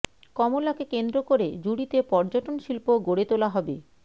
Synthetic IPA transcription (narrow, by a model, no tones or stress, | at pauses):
kɔmolakekend̪ɾokoɾed͡ʑuɽit̪epɔɾd͡ʑoʈonʃilpoɡoɽet̪olaɦɔbe